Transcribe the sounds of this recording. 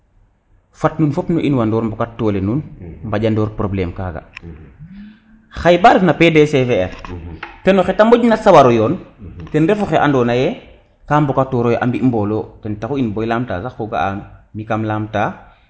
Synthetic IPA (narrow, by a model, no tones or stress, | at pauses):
fatnuːnfopnoʔinwandɔːɾmbɔkatːɔːlenunmbaɟandɔːɾpɾoblɛːmkaːɡa̰ | xajbaɾefnapeːdesefeɛɾtɛnoxetamboɟnasawaɾɔjɔːntɛnɾɛfoxeʔa̰ndɔːnajɛ | kaːmbokatːɔːɾojʔa̰mbiimbɔloːtɛntaxuinbɔjlaːmta̰ːsaxoɡa̰anmikamlaːmtaː